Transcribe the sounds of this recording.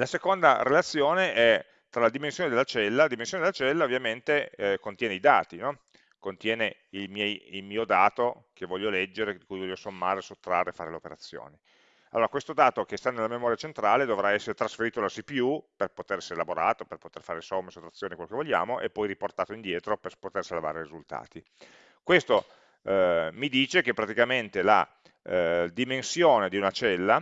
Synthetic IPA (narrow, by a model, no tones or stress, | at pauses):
lasekond̪aɾelat̪sːjoːneʔɛ | t̪ːɾalad̪imensjoːned̪elːat͡ʃɛlːalad̪imensjoned̪elːat͡ʃɛlːaovːjament̪ekont̪jɛːneid̪aːt̪inɔ | kont̪jɛːneilmjɛjilmiːod̪aːt̪o | kevːɔʎːolɛd͡ʒːeɾed̪ikujvɔʎosommːaːɾesot̪ːɾarːefaːɾeleopeɾa̰t̪sːjo̰ːni | alːoːɾakwest̪od̪aːt̪okest̪anelːamemɔːɾjat͡ʃent̪ɾaːled̪ovɾaɛsːeɾet̪ɾasfeɾiːt̪olasipiuperpot̪eɾɛseɾelaboɾaːt̪operpot̪erfaːɾesomːesot̪ːɾat̪sːjoːnikelokevoʎːa̰ːmoʔepːɔjɾiport̪aːt̪oind̪jɛːt̪ɾoperpot̪ersalva̰ːɾerizult̪a̰ːt̪i | kwest̪o | mid̪iːt͡ʃekepːɾat̪ikament̪ela̰ | d̪imensjoːned̪iunat͡ʃɛlːa